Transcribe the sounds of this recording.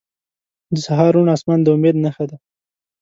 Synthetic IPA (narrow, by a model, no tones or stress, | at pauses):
d̪əsaɦɑɾuɳɑsmɑnd̪əʊmed̪naxad̪a